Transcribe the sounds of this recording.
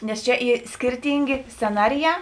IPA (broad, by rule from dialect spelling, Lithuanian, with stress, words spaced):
nʲɛs ˈt͡ʃʲɛ ˈiː ˈsʲkʲɪrʲtʲiːŋʲɡʲeː sʲt͡sʲɛˈnɑːrʲɪˌjæː